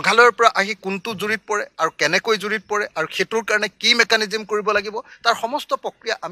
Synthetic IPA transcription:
ɔɡʱalɔjɔɹpɔɹaʔaɦikʊntʊzuɹit̚pɔɹɛaɹukɛnɛkojzuɹit̚pɔɹɛʔaɹukʰetuɹkaɹɔnɛkimɛkanizimkoɹibɔlaɡibɔtaɹxɔmɔstɔpɹɔkɹijaʔam

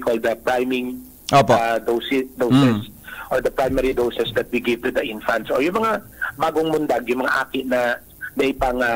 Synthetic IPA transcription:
kʰɔld̪ɐpɹajmɪ̃ŋ | ʔopad̪osɛd̪owsɛsʔoɹd̪ɐpɹajmɛɹid̪owsɛsd̪ɐt̪̚wiɡɪvt̪ud̪ɐʔɪnfɐnt̪sʔojʊŋmɐŋabaːɡoŋmʊnd̪aɡjʊŋmɐŋaʔaːkɪʔnɐ | nɐʔɪpaŋa

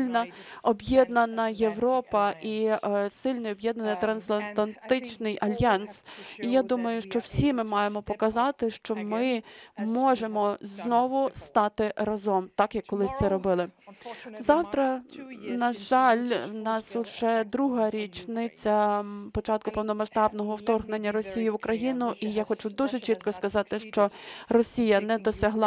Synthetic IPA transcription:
lʲnɐɔbjɛd̪nɐnɐjeʋɾɔpɐʔisɪlʲnɐjɔbjɛd̪nɐnɪt̪ɾɐnst̪lˠɐnt̪lˠɐnt̪ɪt͡ʃnɪjʔɐlʲjɑnsijad̪umɐjʊʃt͡ʃɔw̥sʲimɪmɑjemɔpɔkɐzɑt̪ɪʃt͡ʃɔmɪmɔʒemɔznɔʋʊst̪ɑt̪ɪɾɐzɔmt̪ɑkjɐkːɔlˠɪsʲt̪sɛɾɔbɪlˠɪ | zɑwt̪ɾɐnɐʒɑlʲwnɑsʊʒɛd̪ɾuɦɐɾʲit͡ʃnɪt͡sʲɐpɔt͡ʃɑt̪̚kʊpɔwnɔmɐʃt̪ɑbnɔɦɔwt̪ɔrɣnenʲːɐɾɔsʲijiʋʊkɾɐjinʊʔijaxɔt͡ʃud̪uʒɛt͡ʃit̪̚kɔskɐzɑt̪ɪʃt͡ʃɔrɔsʲijɐnɛd̪ɔsʲɐɦlˠɑ

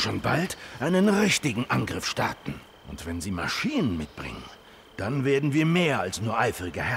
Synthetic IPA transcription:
ʃoːnbaltʔaɪnənʁɪçtɪɡŋ̩ʔanɡʁɪfʃtaɐtn̩ | ʔʊntv̥ɛnziːma̰ʃiːnənmɪtb̥ʁɪ̰ŋə̰n | d̥anveːɐdn̩viːɐmeːɐalsnuːɐʔaɪfəʁɪɡəhɛ

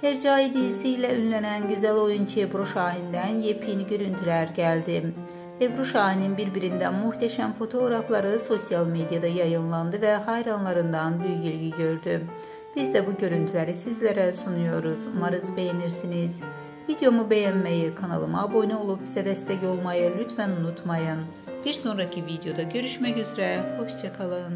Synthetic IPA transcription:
heɾd͡ʒaːjid̪ijisijlʲɛynlʲænænɟyzælʲo̞junt͡ʃʰɯebɾoʃaːɦind̪ænjepʰinɟø̞ɾynt̪ʰylʲæɾɟælʲd̪i | ebɾuʃaːɦininbiɾbiɾind̪ænmuht̪ʰæʃæmfo̞t̪ʰo̞ːɡɾaflˠaɾɯso̞sijalˠme̞d̪ijad̪ajajɯnlˠand̪ɯvɛɦajɾanlˠaɾɯnd̪ɑnbyjyɟilʲɟiɟø̞ɾd̪y | b̥izd̪ɛbuɟø̞ɾynt̪ʰylʲeɾisizlʲeɾɛsunujo̞ɾuz̥maɾɯzbe̞jeniɾsiniz̥ | vid̪jo̞mube̞jænmejikʰana̰lˠɯmaːbo̞nɛo̞lˠupsɛd̪ɛst̪ɛco̞lˠmajɯlʲyt̪ʰfænunut̪majɯn | b̥iɾso̞nɾacʰivid̪jo̞d̪aɟø̞ɾyʃmɛcyzɾɛho̞ʃt͡ʃakʰalˠɯn

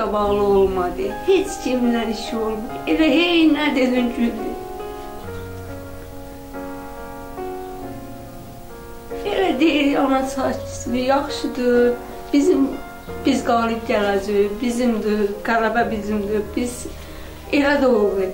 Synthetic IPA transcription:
æbɑɣlˠɯo̞lˠmɑd̪ɯhet͡ʃʰcʰimlæniʃiolˠmuelæɦenæd̪ed̪ynɟyld̪i | elæd̪ejiɾiɑnɑt͡ʃʰɑt͡ʃsnijɑχʃɯd̪ɯ | b̥izim | b̥izɡɑːlˠib̚ɟælæd͡ʒibizimd̪iɡælæbæbizimd̪ibiz̥ | elæd̪olˠvɯ

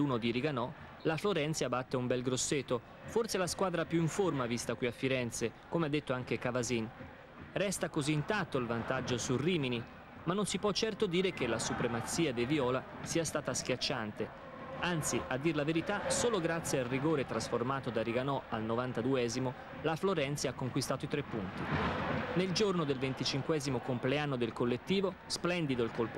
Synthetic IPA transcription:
uːnod̪iɾiɡanɔ | lafloɾɛnt̪sabat̪ːeumbɛlɡɾosːet̪ːo | fortselaskwaːd̪ɾapjuiɱformavist̪akwiafːiɾɛnt̪sekomead̪ːet̪ːoaŋkekavazin | rɛst̪akoziːnt̪at̪ːoilvant̪ad͡ʒːosurːiːmini | manːonsipwɔt͡ʃːɛrt̪od̪iːɾekelasupɾemat̪siːad̪eviɔːla | siːast̪aːt̪ask̟jat͡ʃːant̪e | ant̪siad̪ːiɾelaveɾit̪asoːloɡɾat̪sːjealriɡoːɾet̪ɾasformaːt̪od̪aɾiɡanɔalnovant̪ad̪uɛːzimo | lafloɾɛnt̪seakːoŋkwist̪aːt̪oit̪ɾepːunt̪ineld͡ʒornod̪elvent̪it͡ʃiŋkwɛːzimokompleanːod̪elkolːet̪ːiːvosplɛnd̪id̪oilkolpo

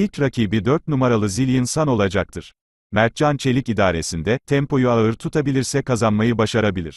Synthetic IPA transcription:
ilʲcɾacʰiːbid̪øɾt̪̚numaɾalˠɯzilʲinsano̞lˠad͡ʒak̚t̪ʰɯɾ̥ | mæɾ̚t͡ʃant͡ʃʰe̞lʲicid̪aːɾe̞sind̪ɛt̪ʰɛmpo̞juaɯɾt̪ʰut̪ʰabilʲiɾsɛkazanmajɯbaʃaɾabilʲḭɾ̥

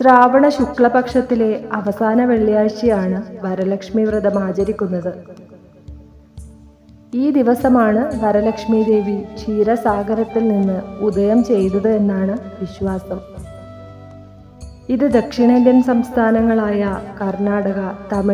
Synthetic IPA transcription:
sraːʋɐɳɐɕukɭɐpɐkʂɐt̪ːile̞ɐʋɐsaːnɐʋe̞ɭːijaːɕjɐjaːɳɨʋɐɾɐlɐkʂmiʋrɨd̪ɐmaːd͡ʑɐɾikʲːunːɐðɨ | iːd̪iʋɐsɐmaːɳɨʋɐɾɐlɐkʂmid̪e̞ːʋit͡ɕʰiːɾɐsaːɡɐɾɐt̪ːilninːɨud̪ɐjɐmt͡ɕe̞jt̪ɐðɨe̞nːaːɳɨʋiɕʋaːsɐm | iðɨd̪ɐkʂiɳɐd̪jɐmsɐmst̪ʰaːnɐŋːɐɭaːjɐkɐrɳaːɽɐɣɐt̪ɐmi

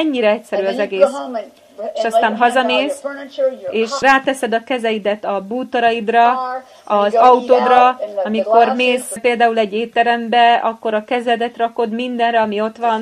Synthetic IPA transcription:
ɛɲːiɾɛɛcsɛɾyːɒzɛɡeːs | eːʃɒst̪aːnɦɒzɒneːs | eːʃraːt̪ɛsɛd̪ɒkɛzɛjid̪ɛt̪ɒbuːt̪oɾɒjid̪rɒ | ɒzɒut̪oːd̪rɒɒmiko̞rmeːspeːld̪aːulɛɟːeːt̪ːɛɾɛmbɛɒkːo̞ɾɒkɛzɛd̪ɛt̪rɒko̞d̪mind̪ɛnrɛɒmio̞t̪ʋɒn

